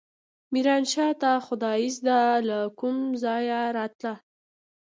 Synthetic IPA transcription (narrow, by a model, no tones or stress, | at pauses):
miɾɑnʃɑt̪axʊd̪ɑjizd̪alakumzɑjaɾɑt̪la